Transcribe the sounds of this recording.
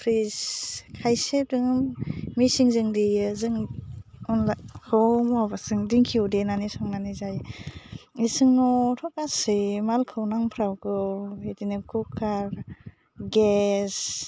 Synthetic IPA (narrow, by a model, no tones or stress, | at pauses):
pʰɾiskʰajsedɯŋɯmːisiŋzɯŋdijɯzɯŋ | ɔnlahʰɯwmɔbasɯŋdiŋkʰiwdenanisɔŋnanizaj | isɯŋnɔtʰɔkasɯmalkʰɯwnaŋpʰɾawkɯetinɯkʰukʰːaɾ | ɡes